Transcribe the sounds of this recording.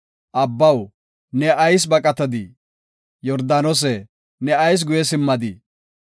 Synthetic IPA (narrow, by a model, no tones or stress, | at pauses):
ʔɐbːɐw | nɛʔɐjs̬bɐkʼɐt̪ɐd̪i | jɔɾd̪aːnɔs̬ɛ | nɛɐjs̬ɡʊjɛs̬ɪmːɐd̪i